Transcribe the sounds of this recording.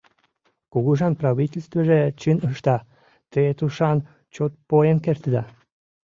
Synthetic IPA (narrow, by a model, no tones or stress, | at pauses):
kuɣuʒɑnprɑβitʲelʲst̪veʒet͡ɕɨnəʃt̪ɑ | t̪əet̪uʃɑn | t͡ɕot̪̚pojenkert̪əd̪ɑ